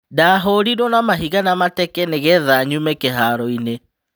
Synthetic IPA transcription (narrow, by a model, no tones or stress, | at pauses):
daːɦoɾidonamaɦiɣanamatɛkɛneɣeðaɲumɛkeɦaɾɔine